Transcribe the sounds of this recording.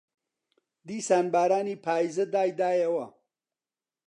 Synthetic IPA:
d̪iːsaːnbaːɾaːniːpʰaːjzɐd̪aːjd̪aːjɐwɐ

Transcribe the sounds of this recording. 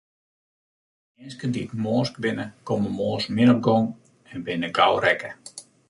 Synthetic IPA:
ɪnskəndiətmoːskʋɪnəkoməmoːsmɪnɔp̚ɡɔŋ | ɛnbɪnəɡawɾɛkə

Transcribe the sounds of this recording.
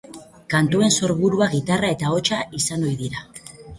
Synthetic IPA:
kant̪ue̞nso̞ɾβuɾuaɣit̪arae̞t̪ao̞t͡ʃaisano̞jðiɾa

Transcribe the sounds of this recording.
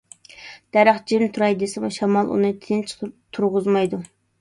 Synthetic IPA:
d̪̥æɾæχd͡ʒɪmt̪ʰuɾɑjd̪esɪmuʃɑmɑlˠʔṵnɨt̪ʰɪnt͡ʃʰt̪ʰuɾʁʊzmɑjd̪u

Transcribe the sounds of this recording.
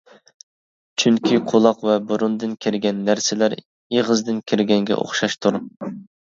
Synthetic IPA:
t͡ʃʰyŋkʲʰiqʰolˠɑqvɛbuɾund̪ɨnkʲʰɪɾɡʲɛnːæɾsɪlæɾ | eʁɨzd̪ɨnkʲʰɪɾɡʲɛŋɡʲɛ̰ʔo̰χʃɑʃt̪ʰuɾ

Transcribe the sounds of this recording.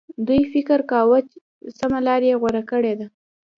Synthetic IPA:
d̪ujfɪkəɾkɑwət͡ʃ | samalɑɾjeɣwaɾakəɽed̪a

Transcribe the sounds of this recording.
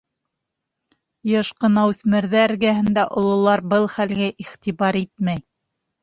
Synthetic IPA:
jɤʃqɤ̆nɑwʉθmɘ̆ɾðææɾɡæɦɘ̆nd̪æʔŏlˠŏlˠɑɾbɤlˠχælɡæʔiχt̪iβɑɾit̪̚mæj

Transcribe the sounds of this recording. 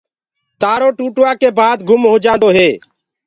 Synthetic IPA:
t̪aːɾoːʈuːʈʋaːkeːbaːd̪ɡʱʊmɦoːd͡ʒãːnd̪oːɦeː

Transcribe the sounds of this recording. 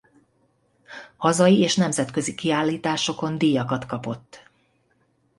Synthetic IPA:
hɒzɒjieːʃnɛmzɛt̪kø̞zikiaːlːiːt̪aːʃo̞ko̞nd̪ijɒkɒt̪kɒpo̞t̪ː

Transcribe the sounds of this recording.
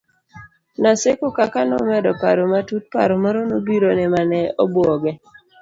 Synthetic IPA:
nasekokakanɔ̰mɛdɔpaɾomatut̚pa̰ɾomɔɾɔnobiɾonɛmanɛɔbɔɡɛ

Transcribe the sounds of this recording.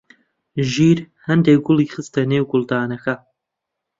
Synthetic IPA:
ʒiːɾ | hɐnd̪ek̚ɡʊlˠiːχɨst̪ɐneːwɡʊlˠd̪aːnɐkɐ

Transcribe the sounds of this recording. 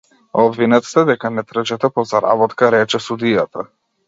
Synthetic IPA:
ɔbvinɛt̪st̪ɛd̪ɛkanɛt̪ɾəʒɛt̪apɔzaɾa̰bɔt̪kaɾɛt͡ʃɛsud̪ijat̪a

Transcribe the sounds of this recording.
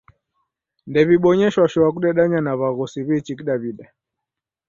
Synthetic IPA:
ndɛβiɓɔɲɛʃwaʃɔak̬uɗɛɗaɲanaβaɣɔsiβit͡ʃikiɗaβiɗa

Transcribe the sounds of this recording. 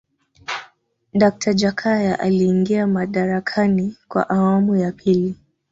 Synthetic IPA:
ɗak̚tʰad͡ʒakʰajaʔaliːŋɡiamaɗaɾakʰanikwa̰ʔawamujapʰili

